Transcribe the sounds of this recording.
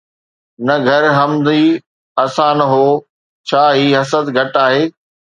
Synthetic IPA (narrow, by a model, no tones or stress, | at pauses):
nɐɡʱɐɾɦɐmd̪i | ɐsãnɐɦoː | t͡ɕʰaːɦiːɦɐsəd̪ɡʱɐʈaːɦeː